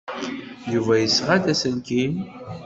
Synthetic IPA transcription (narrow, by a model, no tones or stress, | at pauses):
juvæjəsːʁad̪æsənkim